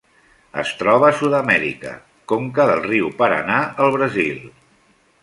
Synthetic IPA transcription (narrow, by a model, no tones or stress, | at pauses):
ə̰st̪ɾɔβ̞əːsuðəmɛɾḭkə̰ | koŋkəðəlˠriwpəɾə̰naəlˠβɾəzilˠ